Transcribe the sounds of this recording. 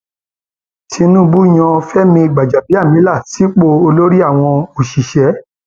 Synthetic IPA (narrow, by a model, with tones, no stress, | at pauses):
tʰi˧nũ˦bu˦˨j̃ɔ̃˧fɛ˦mĩ˧i˧˨ɡ͡ba˨d͡ʒa˨bi˨˦a˦˨mĩ˨˦la˦˨ti˨˦k͡po˧o˧lo˦ɾi˦a˦˨w̃ɔ̃˧o˨ʃi˨ʃɛ˨˦